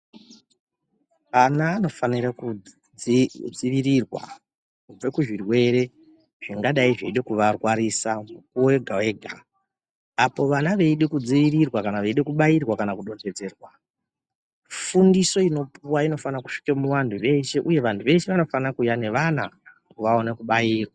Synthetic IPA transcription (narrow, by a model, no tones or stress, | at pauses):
anaːno̞faniɾaku | d͡ziʋiɾirwa̰ | ue̞kuʐirwe̞ɾe̞ | ʐ̥iŋɡaɗaiʐeiɗe̞kuʋarwaɾiːsamukuwowe̞ɡʱawe̞ɡʱa | apo̞ʋanaʋe̞iɗekud͡ziʋiɾirwakanaʋeiɗekuɓairwakanakuɗo̞d͡ze̞d͡ze̞rwa | fundiso̞ino̞puwaino̞fanaku̥ʂi̥kemuwandʱuʋe̞ʃe̞ʔuje̞ʋantʰuʋe̞ʃe̞ʋano̞fanakujane̞ʋanakuʋao̞nekuɓajiːrwa